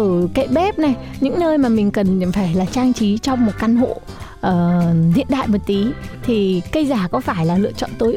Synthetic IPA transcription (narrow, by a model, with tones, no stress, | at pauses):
ʔəː˧˩kḛ˧˩t̚ɓɛ˦˥p̚na˨˩j | ɲɨ̰˧˥ŋnəː˧jmaː˨˩mï˨˩ŋ̟kə˨˩nfaː˧˩jlaː˨˩t͡ɕaː˧ŋt͡ɕi˨˦t͡ɕɔ˧wŋ͡mmo˨˩t̚ka˧nɦo̰˧˨ | ʔəː˨˩zḭ˧˨ənɗa̰ː˧˨jmə˨˩t̚t̪i˨˦t̪ʰi˨˩kə˧jzaː˧˩kɔ˨˦faː˧˩jlaː˨˩lɨ̰˧ət͡ɕɔ̰˧˨nt̪o˨˦jʔ